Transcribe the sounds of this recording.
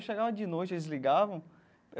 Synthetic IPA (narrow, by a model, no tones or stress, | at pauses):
ʃeɡavɐd͡ʒɪnojt͡ʃelɪzliɡavɐ̃w̃ | e